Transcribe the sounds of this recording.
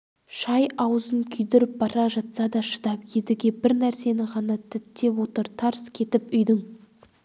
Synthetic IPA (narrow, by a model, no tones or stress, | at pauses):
ʃɑjɑwzənkʲʰʏjd̪eɾɪp̚bɑɾʔɑʒɑt̪sɑd̪ɑʃə̥d̪ɑpjed̪ɪɡʲebɪɾnæɾse̞nɪʁɑnɑt̪ʰɪt̪ːe̞wo̞t̪əɾt̪ʰɑɾskʲʰe̞t̪ɪpʏjd̪ɪŋ